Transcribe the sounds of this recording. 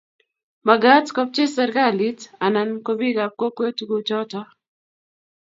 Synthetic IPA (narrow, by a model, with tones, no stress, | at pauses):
ma˨ɡa˦tkɔ˦p̚t͡ʃe˦sɛ˨ɾɡa˦li˦ta˨na˨nko˦bi˦ɡa˨p̚ko˦kwe˦tu˦ɡot͡ʃɔ˦tɔ